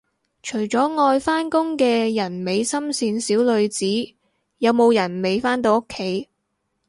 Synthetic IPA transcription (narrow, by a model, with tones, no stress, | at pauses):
t͡ʃʰɵ˨˩ɥt͡sɔː˨˥ŋɔː˧jfaː˥nkʊ˥ŋkɛː˧jɐ˨˩nme˨˧jsɐ˥msiː˧nsiː˨˥wlɵ˨˧ɥt͡siː˨˥ | jɐ˨˧wmo˨˧wjɐ˨˩nme˨˧jfaː˥nt̪o˧wo˥kʰːe˨˥j